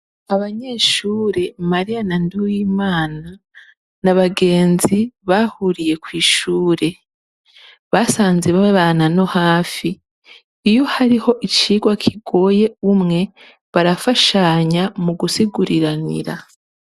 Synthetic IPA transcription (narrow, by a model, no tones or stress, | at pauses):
aβaɲe̞ːʃuːɾe̞maɾijanandujiːmaːna | naβaɡe̞ːnziβahuɾije̞kwiːʃuːɾe̞ | βasaːnze̞βaβaːnano̞haːfiː | jo̞haɾiho̞ʔit͡ʃiːɡwakʰiɡo̞ːje̞umŋe̞ | βaɾafaʃaɲamuɡusiɡuɾiɾanḭɾa̰